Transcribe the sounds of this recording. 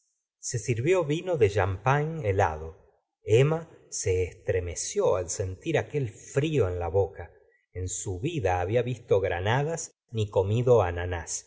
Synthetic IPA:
se̞siɾβjo̞βino̞ðe̞ʒampanela̰ðo | emaseːst̪ɾeme̞sjoalse̞nt̪iɾake̞lfɾio̞enlaβoka | ensuβiðaːβiaβist̪oɣɾa̰naðas | niko̞miðo̞ananas

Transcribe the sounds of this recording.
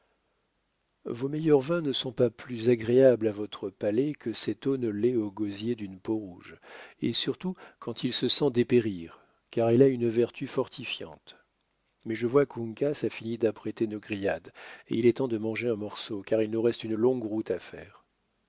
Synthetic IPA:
vomɛjœʁvɛ̃nəsɔ̃paplyzaɡʁeablavɔt̪χəpalɛkʰəsɛt̪onəleoɡozjed̪ynpoʁuʒesyʁt̪ukʰɑ̃t̪ʰilsəsɑ̃d̪epeʁiʁ | kaʁɛlaynvɛʁt̪ʰyfɔʁt̪ʰifjɑ̰̃t̪ | mɛʒəvwakũŋkasafinid̪apχet̪enoɡʁijad̪ḛilɛt̪ɑ̃d̪əmɑ̃ʒeɛ̃mɔʁsokaʁilnuʁɛst̪ynlɔ̃ɡʁut̪afɛ̰ːʁ

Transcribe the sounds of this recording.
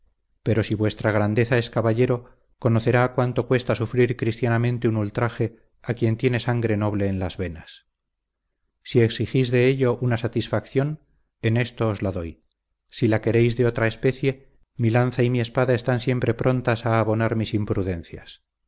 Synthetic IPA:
pe̞ɾo̞siβwe̞st̪ɾaɣ̞ɾand̪e̞θae̞skaβaʎe̞ɾo̞ | ko̞noθe̞ɾaːkwant̪o̞kwe̞st̪asufɾiɾkɾist̪janamẽnt̪e̞unult̪ɾaxe̞ | akje̞nt̪je̞ne̞saŋɡɾe̞no̞βle̞ːnlazβe̞nas | sie̞ksixizðe̞eʎo̞ʔunasat̪isfakθjo̞n | ene̞st̪oːzlaðo̞j | silake̞ɾe̞jzðeo̞t̪ɾae̞spe̞θje̞ | milanθaimie̞spaðae̞st̪ansje̞mpɾe̞pɾʔo̞nt̪asaːβo̞naɾmisimpɾuðẽ̞nθja̰s

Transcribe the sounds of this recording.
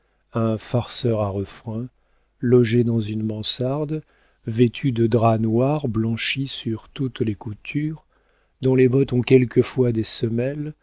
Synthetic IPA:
ɛ̃faʁsœʁaʁəfχɛ̃ | lɔʒed̪ɑ̃zynmɑ̃saʁd̪ | vet̪ʰyd̪əd̪ʁanwaʁblɑ̃ʃisyʁt̪ut̪lekut̪ʰyʁ | d̪ɔ̃lebɔt̪ɔ̃kʲɛlkəfwad̪esəmɛl

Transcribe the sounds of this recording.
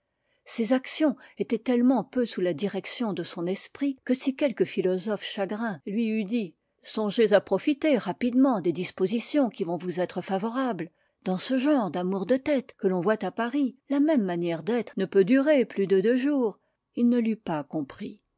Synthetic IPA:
sezaksjɔ̃et̪ɛt̪ɛlmɑ̃pøsulad̪iʁɛksjɔ̃d̪əsɔ̃nɛspχikəsikʲɛlkəfilɔzɔfʃaɡʁɛ̃lɥiyd̪i | sɔ̃ʒezapχɔfit̪eʁapid̪mɑ̃d̪ed̪ispozisjɔ̃kʲivɔ̃vuzɛt̪χəfavɔʁabl | d̪̥ɑ̃səʒɑ̃ʁd̪amuʁd̪ət̪ɛt̪kəlɔ̃vwat̪apaʁilamɛmːanjɛʁd̪ɛt̪χənəpød̪yʁeplyd̪əd̪əʒuːʁ | ilnəlypakɔ̃pχi

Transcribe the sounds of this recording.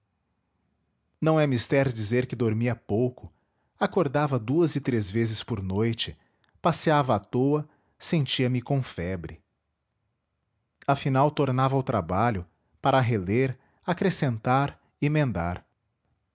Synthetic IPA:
nɐ̃w̃ɛmist̪ɛɾd͡ʒizeɾkɪd̪oɾmiɐpowkʊ | akoɾd̪avɐd̪uɐzɪt̪ɾezvezɪspoɾnojt͡ʃɪ̥ | pasiavɐːt̪owɐ | sẽnt͡ʃiɐmɪkõfɛbɾɪ̰ | afinawt̪oɾnavɐawt̪ɾabaʎʊ | paɾɐɦeleɾ | akɾesẽnt̪aɾ | ɪmẽnd̪aɾ

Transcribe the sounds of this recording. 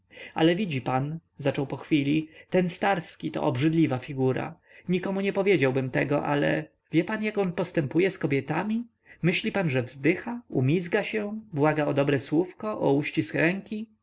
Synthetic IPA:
a̰lɛvʲid͡ʑipanzat͡ʂɔwpɔxfʲilʲit̪ɛnst̪aɾskʲit̪ɔ̰ɔbʐɘd̪lʲivafʲiɡuɾa̰ | ɲikɔmuɲɛpɔvʲjed͡ʑawbɘmt̪ɛɡɔʔa̰lɛ̰ | vʲjɛpanjakɔnpɔst̪ɛmpujɛskɔbʲjɛt̪amʲi | mɘɕlʲipanʐɛvzd̪ɘxaumʲizɡaɕɛbwaɡaɔd̪ɔbɾɛswufkɔʔɔuɕt͡ɕiskɾɛŋkʲi

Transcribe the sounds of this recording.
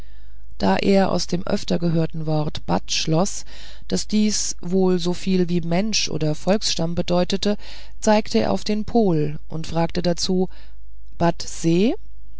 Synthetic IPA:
d̥aːʔḛːɐʔa̰ʊsd̥eːmʔœ̰ftɐɡəɦøːɐtn̩vɔɐtb̥a̰tʃlɔs | d̥asd̥iːs | voːlzoːfiːlviːmɛnʃʔo̰ːdɐfɔlksʃtambədɔʏtətə | t͡saɪktʰəḛɐʔa̰ʊfd̥eːnpʰoːl | ʔʊ̰ntfʁ̥aːktədat͡suː | b̥atz̥eː

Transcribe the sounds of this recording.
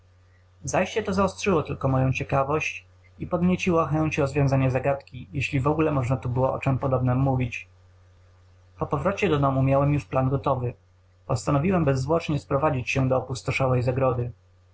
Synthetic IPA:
zajɕt͡ɕɛt̪ɔzaɔst̪ʂɘwɔt̪ɘlkɔmɔjɔ̃w̃t͡ɕɛkavɔɕt͡ɕ | ipɔd̪mʲjet͡ɕiwɔxɛɲt͡ɕɾɔzvʲjɔ̃w̃zaɲazaɡat̪kʲijeɕlʲivɔɡulɛmɔʐnat̪ubɘwɔʔɔ̰t͡ʂɛmpɔd̪ɔbnɛmːuvʲit͡ɕ | pɔpɔvɾɔt͡ɕɛd̪ɔd̪ɔmumʲjawɛmjuʂplanɡɔt̪ɔvɘ | pɔst̪anɔvʲiwɛmbɛzːwɔt͡ʂɲɛspɾɔvad͡ʑit͡ɕɕɛd̪ɔːpust̪ɔʂawɛjzaɡɾɔd̪ɘ

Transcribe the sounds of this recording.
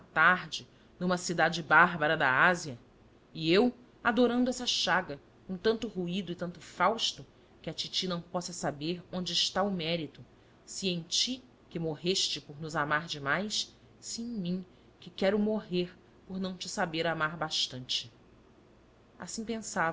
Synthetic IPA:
ɐt̪aɾd͡ʒɪ | nũmɐsid̪ad͡ʒɪbaɦbɐɾɐd̪ɐ̰aziɐ | ɪew | ad̪oɾɐ̃nd̪ʊɛsɐʃaɡɐ | kõt̪ɐ̃nt̪ʊɦuid̪ʊɪt̪ɐ̃nt̪ʊfawʃt̪ʊ | kɪɐt͡ʃit͡ʃinɐ̃w̃pɔsɐsabeɾõnd͡ʒɪːʃt̪aʊmɛɾit̪ʊ | siẽj̃t͡ʃi | kɪmoɦeʃt͡ʃɪpoɾnʊzamaɾd͡ʒɪmajs | siẽj̃mĩ | kɪkɛɾʊmoɦeɾ | poɾnɐ̃w̃t͡ʃɪsabeɾamaɾbaʃt̪ɐ̃nt͡ʃɪ̥ | a̰sĩpẽsav

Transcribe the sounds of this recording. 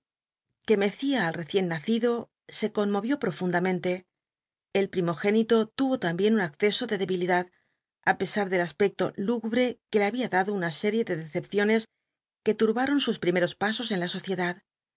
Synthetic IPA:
ke̞me̞θiaːlre̞θje̞nːaθiðo̞ | se̞ko̞nmo̞βjo̞pɾo̞fund̪amẽ̞nt̪e̞ː | lpɾimo̞xe̞nit̪o̞t̪uβo̞t̪ambje̞nunakθe̞so̞ðe̞ðe̞βiliðað | ape̞saɾðe̞laspe̞k̚t̪o̞̰luɣuβɾe̞ke̞leaβiaðaðounase̞ɾje̞ðe̞ðe̞θe̞pθjo̞ne̞s | ke̞t̪uɾβaɾo̞nsuspɾime̞ɾo̞spaso̞se̞nlaso̞θje̞ðað

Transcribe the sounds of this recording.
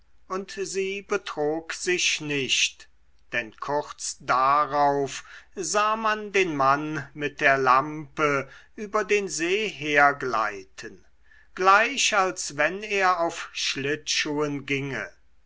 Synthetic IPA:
ʔʊntziːbətʁ̥oːkz̥ɪʃnɪʃt | d̥ɛnkʰʊʁt͡sd̥aʁaʊfzaːmandeːnmanmɪt̚d̥eːɐlampəʔyːbɐdeːnzeːɦeːɐɡla̰ɪtʰən | ɡ̥laɪʃalsvɛneːɐaʊfʃlɪtʃuːənɡɪŋə̰

